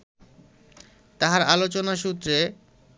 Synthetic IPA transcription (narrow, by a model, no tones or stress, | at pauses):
t̪aɦaɾalot͡ɕonaʃut̪ːɾe